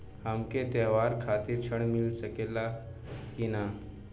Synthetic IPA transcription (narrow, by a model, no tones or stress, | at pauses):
həmket̪eːʋaːɾkʰaːt̪iɾt͡ʃʰəɳmilsəkeːla | kina